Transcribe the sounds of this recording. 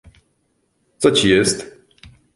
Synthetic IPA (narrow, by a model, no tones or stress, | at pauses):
t̪sɔt͡ɕijɛst̪